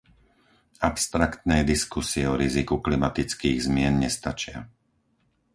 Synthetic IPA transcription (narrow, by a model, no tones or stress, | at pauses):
apst̪ɾakt̪nɛjd̪iskusiɛɔɾizikuklimat̪it͡skiːɣzmɪɛnɲɛst̪at͡ʃɪa̰